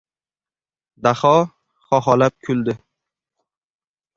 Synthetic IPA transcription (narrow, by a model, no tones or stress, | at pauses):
d̪aχɒ | χɒɦɒlap̚kʲʰʊld̪ɪ